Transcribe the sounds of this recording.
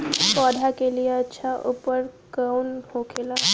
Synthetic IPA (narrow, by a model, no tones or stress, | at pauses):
pɔːd̪ʱakelijeətːʃʰaʔuːpəɾ | kaunhokʰela